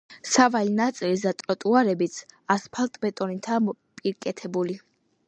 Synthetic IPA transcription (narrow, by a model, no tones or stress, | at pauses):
savalinat̪sʼilizat̪ʼɾɔt̪ʼuaɾɛbit̪sʰaspʰalˠt̪ʼbɛt̪ʼɔnit̪ʰaː | pʼiɾkʼɛt̪ʰɛbuli